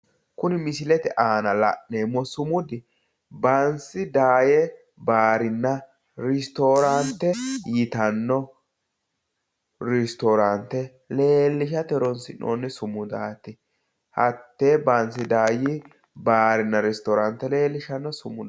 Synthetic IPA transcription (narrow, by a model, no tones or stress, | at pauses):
kʊnɪmɪsɪlɛt̪ɛʔaːnɐlɐ̰ʔneːmːɔsʊmʊd̪ɪ | bɐnsɪd̪aːjɛ | baːɾɪnːɐ | ɾɪst̪oːɾant̪ːɛjɪt̪ɐnːɔ | ɾɪst̪oɾant̪ːɛ | le̞ːlːɪʃɐt̪ɛɾɔnsɪnʔo̰ːnːɛsʊmʊd̪a̰ːt̪ɪ | hɐt̪ːeːbɐnsɪd̪aːji | baːɾɪnːɐɾɛst̪ɔːɾɐnt̪ːɛle̞ːlːɪʃɐnːɔsʊmʊ